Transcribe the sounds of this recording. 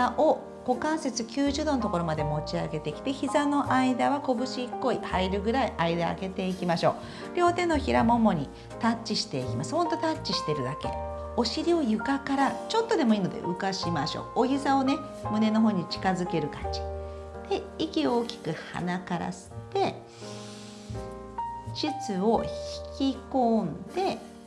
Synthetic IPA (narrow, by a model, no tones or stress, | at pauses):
aʔo | ɡ̥o̞kãɰ̃se̞t͡sɨkʲɨːʑɨːd̪onot̪o̞ko̞ɾo̞mad̪e̞mo̞t͡ɕiaɡe̞t̪e̞kʲi̥t̪e̞çizano̞ʔaid̪aβ̞ako̞bɯ̟ɕiːkːo̞ihaiɾɯ̟ɡɯ̟ɾaiʔaid̪a̰ːɡe̞t̪e̞ikʲimaɕo̞̰ː | ɾʲo̞ːt̪ẽ̞nːo̞çiɾamo̞mo̞ɲ̟i | t̪at͡ɕt͡ɕːiɕi̥t̪e̞ikʲimasɨ̥hõ̞nt̪o̞t̪at͡ɕːiɕi̥t̪e̞ɾɯ̟d̪ake̞̰ | o̞ɕiɾʲio̞jɯ̟kakaɾat͡ɕo̞t̪ːo̞d̪e̞mo̞iːno̞d̪e̞̰ʔɯkaɕimaɕo̰ːoçisao̞ne̞ | mɯ̟ne̞no̞ɦo̞ːɲ̟it͡ɕi̥kazɨke̞ɾɯ̟kat͡ɕi̥ | d̪̥e̞ikʲio̞ːkʲi̥kɯ̟ha̰nakaɾa̰sɨ̥t̪e̞ | ɕit͡sɨo̞çi̥kʲikõ̞nd̪̥e̞